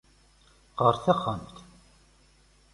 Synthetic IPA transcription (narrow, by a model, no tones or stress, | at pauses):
qəɾˤθəχəmt̪